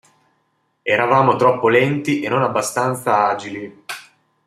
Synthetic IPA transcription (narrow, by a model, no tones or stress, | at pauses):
ɛɾavaːmot̪ɾɔpːolɛnt̪iʔenːonabːast̪ant̪saaːd͡ʒili